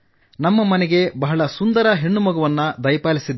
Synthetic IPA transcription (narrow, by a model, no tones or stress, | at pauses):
nɐmːɐmɐnɛɡe̞bɐɦɐɭɐsund̪ɐɾɐɦe̞ɳːumɐɡɐʋɐnːɐd̪ɐjpaːlisid̪